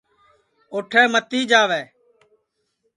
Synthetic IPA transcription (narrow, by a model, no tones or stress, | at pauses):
oːʈʰɛːmət̪iːd͡ʒaːʋɛː